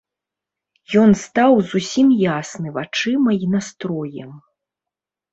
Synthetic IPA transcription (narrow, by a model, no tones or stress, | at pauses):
jɔnst̪awzusʲimjasnɨvat͡ʂɨmɐinast̪ɾɔjɛm